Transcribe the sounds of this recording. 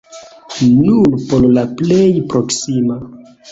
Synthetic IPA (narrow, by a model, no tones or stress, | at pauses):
nunpollaplejpɾoksima